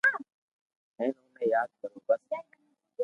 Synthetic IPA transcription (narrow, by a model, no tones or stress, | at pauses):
ɦɛ̃ːnũːmẽːjaːd̪̚kəɾũːbəs